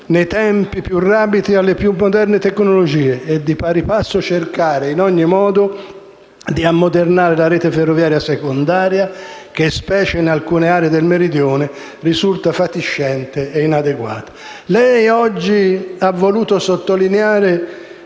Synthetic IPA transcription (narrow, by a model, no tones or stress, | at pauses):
nejt̪ɛmpipjurːaːpid̪ialːepjumːod̪ɛrnɪt̪ɛkːnolod͡ʒiːeɛd̪ːipaɾipasːot͡ʃerkaːɾɪinɔɲːimɔːd̪ʊ | d̪iamːod̪ernaːɾɪlaɾɛːt̪eferːovjaːɾjasekond̪aːɾjak̟espɛːt͡ʃeinalkuːneaːɾed̪elmeɾid̪jɔːnɪ | risult̪afat̪iʃːɛnt̪ɪɛinad̪eɡwa̰ːt̪ḁ | lɛjɔd͡ʒːiavːoluːt̪osot̪ːolineaːɾɪ